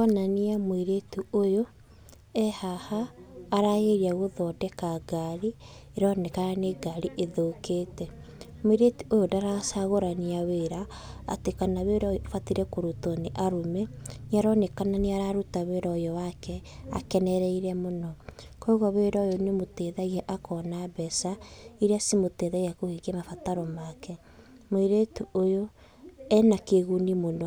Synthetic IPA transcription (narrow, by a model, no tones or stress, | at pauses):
ananiamwiɾetuojo | ɛhahaːɾaɣeɾiaɣoðɔdɛkaɡaɾieɾɔnekaɾaneɡaɾiʔeðokeːtɛ | mwiɾetuʔojodaɾasaɣoɾaniaweɾaː | tekanaβeɾɔjɔfatiɾɛkoɾotoneʔaɾomeneaɾɔnekananeaɾaɾutaweɾɔjɔwakɛa̰kɛnɛɾɛiɾɛmonɔkɔoɣɔβeɾɔjonemoteðaɣiɛʔakɔnabɛsaiɾeasimoteðaɣiakohikɛmafataɾɔmakɛ | mwiɾetuojo | ɛnakeɣunimonɔ